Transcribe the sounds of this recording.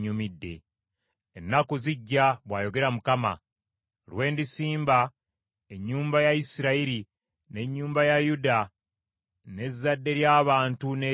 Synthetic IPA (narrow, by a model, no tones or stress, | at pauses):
ɲumidːe̞̰ | enːakuziɟːaβwaːjo̞ɡe̞ɾamukama̰ | lwe̞ːndisiːmba | e̞ɲːuːmbajaisiɾaiɾi | ne̞ɲːuːmbajajuda | ne̞zːadːe̞ɾjaːβaːntune